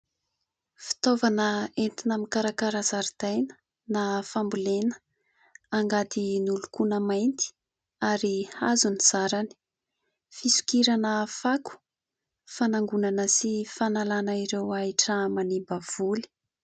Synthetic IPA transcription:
fi̥t̪ovanəent̪inamikaɾakaɾazaɾid̪̥ajnə̥ | nafambulenə̥ | aŋɡat̪inulukunəmajnt̪i̥ | aɾihazuniz̥aɾani̥ | fisu̥kiɾanəfaku̥ | fanaŋɡunanəsifanalanaiɾewaiʈ͡ʂamanibav̥uli̥

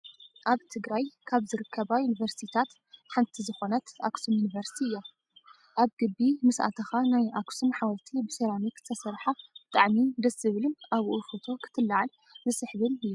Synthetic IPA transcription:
ʔaβt̪ʰɨɡɾajkʰaβzɨɾɨkʰːɐβajunivɐɾst̪ʰit̪ʰat̪ | ħant̪ʰizɨxo̞nɐt̪a̰ksumjunivɐɾsi̥t̪ʰiɨjːa | ʔaβɡɨbːimɨsʔa̰t̪ʰɐxanajʔaksumħawɐlt̪ʰibɨselamikɨt̪ʰɐsɐɾħab̥ɨt̪ʼaʕmid̪ɐsɨβɨlɨmʔaβʔufot̪ʰo̞kʰɨ̥t̪ʰɨlːaʕal | bɨsɨħβɨnɨjːu

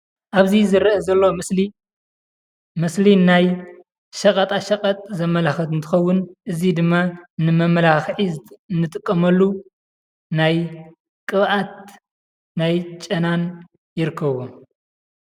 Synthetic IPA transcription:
ʔaβzizɨɾɐɐzɐlːoɨli | mɨslinaj | ʃɐkʼɐt̪ʼaʃɐkʼɐt̪ʼzɐmːɐlaxɐt̪ɨnt̪ʰɨ̥xɐwːʊnʔɨzid̪ɨmːanɨmɐmːɐlaxħinːɨt̪ʼɨkʼːɐmɐlːu | naj | kʼɨβʔat̪̚ | najt͡ʃʼɐnan | jɪɾɨkʰːɐβo

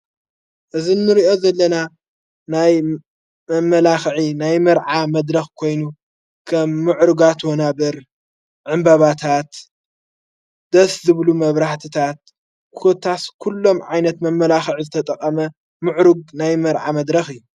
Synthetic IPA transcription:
ʔɨzinːɨɾiʔo̞zɐlːɐna | naj | mɐmːɐlaxʕinajmɐɾʕamɐd̪ɾɐxkʰo̞jnu | kʰɐmːɨʕɾuɡat̪wonabɐɾ | ʕɨmbɐβat̪ʰat̪ | d̪̥ɐszɨβlumɐβɾaħt̪ʰɨt̪ʰat̪̚ | kʰot̪ʰaskʰulːo̞mʕajnɐt̪mɐmːɐlaxʕizɨt̪ʰɐt̪ʼɐkʼːɐmɐ | mɨʕɾuɡ̚najmɐɾʕamɐd̪ɾɐxɨjːu

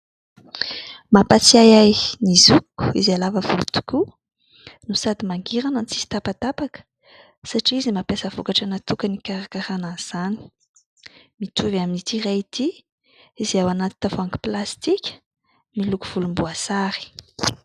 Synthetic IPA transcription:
mapat͡siajajnizukːu̥ḭzalavəvṵlut̪u̥ku | nusad̪imaŋɡiɾanənt͡sizi̥t̪apat̪apakə̥ | saʈ͡ʂiizimapjasəvokaʈ͡ʂanat̪ukənikaɾakaɾanaz̥ani̥ | mit̪ʰuvaminit̪irait̪i | izawanat̪i̥t̪avoaŋki̥plast̪ikʲə̥ | milukuv̥ulumbuasaɾi̥

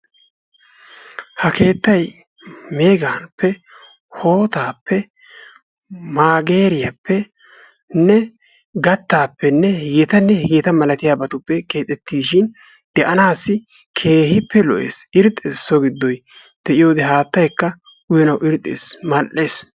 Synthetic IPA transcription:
hɐkʰe̞ːt̪ːɐj | me̞ːɡaːnpʰːɛ | ho̞ːt̪aːpʰːɛ | maːɡe̞ːɾɪjapːɛ | nːɛ | ɡɐt̪ːaːpːɛnːɛjɛt̪ɐnːɛjɛt̪ɐmɐlɐt̪ɪjaːbɐt̪ʊpːɛke̞ːt̪ʼːɛt̪ːiːsʃɪn | d̪̥ɛʔɐnaːsːɪ | kʰe̞ːhɪpːɛlɔ̰ʔḛːsɪɾt̪ʼːeːsɔɡɪd̪ːɔj | d̪̥ɛʔɪjo̞ːd̪ɛɦaːt̪ːɐjkːɐ | ʊjɛnɐwɪɾt̪ʼḛːsmɐlʔːe̞ːs

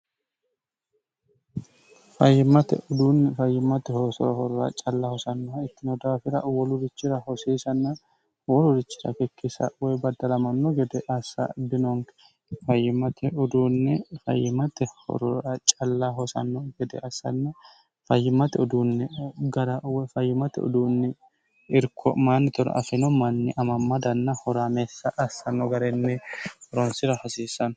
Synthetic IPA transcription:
fɐjːɪmɐt̪ɛ̰ʔʊd̪uːnːɛfɐjːɪmːɐt̪ɛhɔsɔ̰ɾɐhɔɾʊɾɐ̰t͡ʃʼɐlːahɔsɐnːɔɐɪt̪ːɪnɔd̪aːfɪɾɐwɔlʊd̪ɪt͡ʃːɪɾɐhɔseːsɐnːɐ | wɔlʊd̪ɪt͡ʃːɪɾɐ̰kɛkːisɐ̰wɔjbɐd̪ɐlɐmɐnːɔɡɛd̪ɛʔɐsːɐ̰d̪ɪnɔŋkɛ̥ | fɐjːɪmɐt̪ʰɛʊd̪uːnːɛfɐ̰jːɪmɐt̪ɛhɔ̰ɾɔɐt͡ʃʼɐlːaːɦɔsɐ̰nːɔɡɛd̪ɛɐsɐ̰nːɛ | fɐjːɪmɐt̪ɛɔd̪uːnːɪɡɐɾɐwɛfɐjːɪmɐt̪ɛɔ̰d̪uːnːɪ | ɪɾkʰɔ̰maːnːɪt̪ɔɾɐ̰ʔɐ̰fɪnɔmɐnːɪʔɐmɐmːɐd̪ɐnːɐhɔɾaːmeːsːɐʔɐsːɐnːɔɡɐɾɛnːɛhɔɾɔnsɪɾɐhɐsiːsɐn

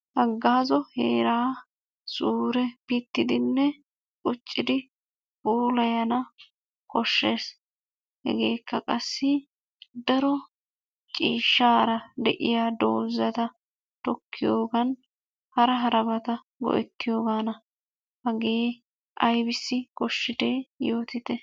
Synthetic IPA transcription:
ʔɐɡːaːzɔheːɾaː | sʼuːɾɛpɪt̪ːɪd̪ɪnːɛ | kʼʊt͡ʃʼːɪd̪ɪ | uːlɐjɐnɐ | kɔʃːe̞ːs | hɛ̰ɡe̞ːkʰːɐkʼɐsːɪ | d̪ɐɾɔ | t͡ʃʼiːʃːaːɾɐd̪ɛʔɪjaːd̪o̰ːzːɐt̪ɐ | t̪ɔkʰːɪjoːɡɐn | hɐɾɐɦɐɾɐbɐt̪ɐ | ɡɔ̰ʔɛ̰t̪ːɪjo̞ːɡaːnɐ | hɐɡeː | ʔɐjbɪsːɪkɔʃːɪd̪e̞ːjo̞ːt̪ɪt̪ɛ

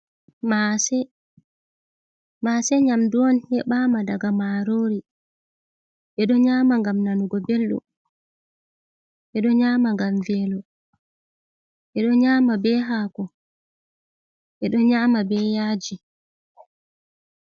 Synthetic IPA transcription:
masɛ | masɛɲamduwɔnhɛɓamadaɡamaɾoːɾi | ʔɛɗɔɲaːmaŋɡamnanuɡɔbelɗṵ | ʔɛɗɔɲaːmaŋɡamvɛlɔ | ʔɛɗɔɲaːmabɛɦaːkɔ | ʔɛɗɔɲamabɛjaːd͡ʒi

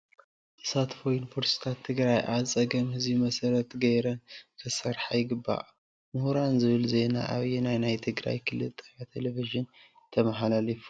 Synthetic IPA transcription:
ʔɨsat̪fojnfʰoɾsi̥t̪ʰat̪ʰːɨɡɾajʔaβt͡sʼɐɡɐmhɨzbimɐsɐɾɐt̪ɡɐjɾɐnkʰɨsɐɾħajɪɡɨbːa̰ʔ | mʊhuɾanzɨβɨlze̞na̰ʔaβjɛnajnajt̪ʰɨɡɾa̰jkʰɨlɨ̰lt̪ʼajat̪ʰeleviʒɨn | t̪ʰɐmɐħalalifu̥

